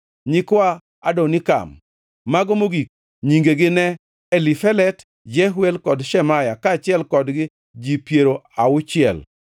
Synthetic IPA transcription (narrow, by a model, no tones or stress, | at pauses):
ɲikwa | adonɪka̰mː | aɡɔmoɡik̚ | ɲiŋɡeɡɪnɛ | elifɛlɛt | d͡ʒɛɦwɛlkɔdʃɛmajakaːt͡ʃɪɛlkɔdɡɪ | d͡ʒipjeɾoaʊt͡ʃɪɛ̰l